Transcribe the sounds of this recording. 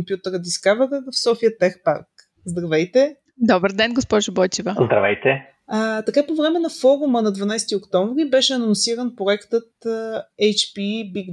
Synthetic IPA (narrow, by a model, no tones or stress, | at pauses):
mpjut̪əɾəd̪iskavɛɾəfsɔfijət̪ɛxpa̰ɾk | zd̪ɾɐvɛjt̪ɛ | d̪ɔbəɾd̪ɛnɡospɔʒʊbɔjt͡ʃivəzd̪ɾɐvɛjt̪ɛ | ət̪ɐkapovɾɛmɛnɐfɔɾumənɐd̪vɐnajst̪iokt̪ɔɱvɾibɛʃɛɐnonsiɾənpɾoɛkt̪ət̪̚ɛjt͡ʃpibiɡ